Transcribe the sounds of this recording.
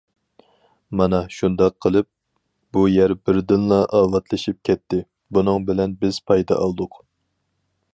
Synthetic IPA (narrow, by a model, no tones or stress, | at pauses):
mɑnɑʃund̪ɑqʰːəlˠɨp̚ | b̥ujæɾbɪɾd̪ɨnlˠɑʔɑːvɑt̪lˠɨʃip̚kʲʰɛt̪ʰːɪ | bunɨŋbɪlɛnbɪz̥pʰɑjd̪ɑ̰ʔɑlˠd̪ʊq